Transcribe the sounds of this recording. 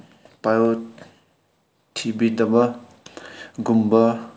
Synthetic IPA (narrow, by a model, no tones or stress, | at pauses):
pajo | t̪ʰibid̪ʌbʌ | ɡumbʌ